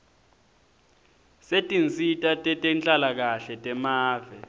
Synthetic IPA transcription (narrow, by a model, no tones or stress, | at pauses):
setʼint͡sʼitʼatʼɛtʼɛnt͡ɬʼalak̬aɬɛtʼɛmaːvɛ